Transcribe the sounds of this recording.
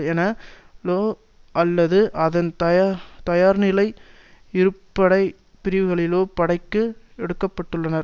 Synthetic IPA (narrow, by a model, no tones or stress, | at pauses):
eːnɐ | loː | ʔɐlːɐðɯʔɐðɐnt̪ɐjt̪ɐjaːɾnɪlɐɪ | ɪɾɯpːɐɽɐɪ | pɪɾɪʋɯɣɐɭɪloːpɐɽɐɪkːɯɛɽɯkːɐpːɐʈːɯɭːɐnɐɾ